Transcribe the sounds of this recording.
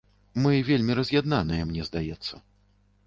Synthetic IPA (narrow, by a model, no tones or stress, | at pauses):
mɨvʲelʲmʲiɾɐzʲjad̪nanɐjɛmnʲɛzd̪ajɛt̪sːɐ